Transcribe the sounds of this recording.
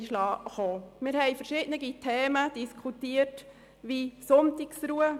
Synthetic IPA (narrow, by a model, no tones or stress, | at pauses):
ʃlɑːχoːmɪɾhɛɪfəɾʃɪdnəɡitʰɛːməd̥iskʰutiːət | ʋisʊntiksɾuːə